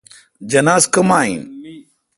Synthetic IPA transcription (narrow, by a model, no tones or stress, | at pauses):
d͡ʒɐnaːzkɐmaːḭ̃ː